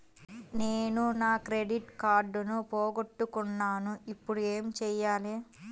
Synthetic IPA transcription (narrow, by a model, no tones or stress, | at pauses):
neːnunaːkɾeɖiʈkaːɾɖunupoːɡoʈːukunːaːnuipːuɽueːmt͡ʃɛːjaːle